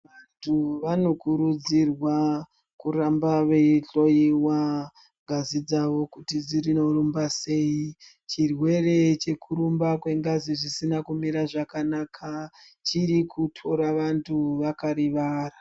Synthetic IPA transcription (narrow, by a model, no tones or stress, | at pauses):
ʋantʰuʋano̞kuɾud͡zirwa | kuɾambaʋeiɬo̞jiwa | ŋɡʱazid͡zaʋo̞kutid͡zirino̞rumbase̞i | t͡ʃirwe̞re̞t͡ʃe̞kuɾumbakwe̞ŋɡaziʐisinakumiɾaʐakanakʰa | t͡ʃiɾikʰutʰo̞ɾaʋantʰuʋakaɾiʋaːra